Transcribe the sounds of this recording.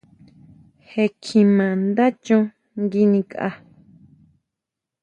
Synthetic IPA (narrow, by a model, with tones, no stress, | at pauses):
he˧kʰĩ˧mã˨nd̪a˦t͡ʃũ˦ | ŋɡi˧nĩ˧ka̰˧